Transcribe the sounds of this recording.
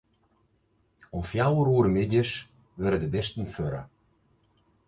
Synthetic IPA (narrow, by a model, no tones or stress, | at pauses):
ɔmfjawəɾuəɾəmɪdjəs | ʋɪɾədəbɛstən̩føɾə̰